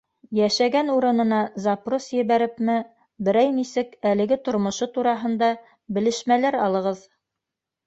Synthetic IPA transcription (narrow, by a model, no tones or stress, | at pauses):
jæʃæɡænuɾɤ̆nɤ̆nɑzɑprosjɘ̆βæɾɘpmɘ | bɘ̆ɾæjnisɘkælɘ̆ɡɘt̪ŏɾmŏʃot̪uɾɑɦɤ̆nd̪ɑ | bɘ̆lɘ̆ʃmælæɾɑlˠɤ̆ʁɤð